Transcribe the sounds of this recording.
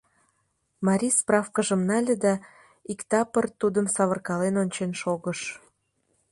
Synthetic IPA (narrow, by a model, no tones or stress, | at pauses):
mɑɾʲisprɑfkəʒəmnɑlʲəd̪ɑ | ikt̪ɑpərt̪ud̪əmsɑβərkɑlenonʲt͡ɕenʃoɣəʃ